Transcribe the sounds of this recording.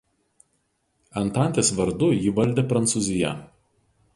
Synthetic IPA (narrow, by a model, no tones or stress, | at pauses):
ɐnˑt̪ɑˑnʲt̪ʲeːsʋɐɾd̪ʊjɪʋɐlʲd̪ʲeːpɾɐnt̪sʊzʲɪjɛ̰